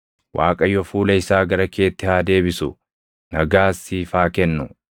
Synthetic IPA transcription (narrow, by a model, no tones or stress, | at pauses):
wʔaːkʼɐjːɔfuːlɐɪsaːɡɐɾɐkʰe̞ːt̪ːɪhaːd̪e̞ːbɪsʊ̰ | nɐɡaːsːiːfaːkɛnːʊ